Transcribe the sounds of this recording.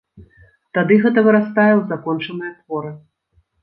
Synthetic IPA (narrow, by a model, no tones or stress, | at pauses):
t̪ad̪ɨɣɛt̪ɐvɨɾast̪ajɛwzakɔnt͡ʂɐnɨjɐt̪vɔɾɨ